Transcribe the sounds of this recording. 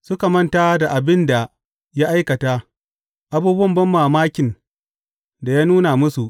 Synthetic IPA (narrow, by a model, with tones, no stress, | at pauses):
sʊ˦ka˨mɐ˦ntaː˦da˨ʔa˨bɪ˦nda˨ | ja˦ʔa˦jkɐ˨taː˦ | ʔa˦buː˦bwɐ˦mbɐ˦mːaː˨maː˦kʲɪ˨n | da˨jaː˦nuː˦na˨mʊ˦su˨ʔ